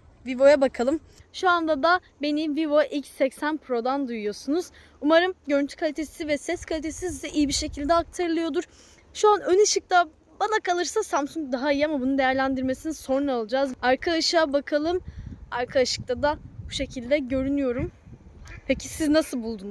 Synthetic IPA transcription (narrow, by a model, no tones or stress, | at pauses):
vivo̞jabakʰalˠɯm | ʃuand̪ad̪a | be̞nivivo̞ʔilʲcsɛcsænpʰɾo̞d̪and̪ujujo̞sunuz̥ | umaɾɯmɟøɾynt̪ʰy̥kʰalʲit̪ʰe̞sivɛsɛskʰalʲit̪ʰe̞sizɛʔijibiɾʃe̞cʰilʲd̪ɛak̚t̪ʰaɾɯlˠɯjo̞d̪uɾ̥ | ʃuanøniʃɯk̚t̪ʰa | banakalˠɯɾsasamsuŋk̚d̪aɦaijiamabunud̪ejæɾlʲænd̪iɾme̞sininso̞ɾnˠalˠad͡ʒazaɾkʰaaʃaabakʰalˠɯmaɾkʰaaʃɯ̥k̚t̪ʰad̪ab̥uʃe̞cʰilʲd̪ɛɟø̞ɾynyjo̞ɾum | pʰecʰisiznasɯlˠbulˠd̪unz̥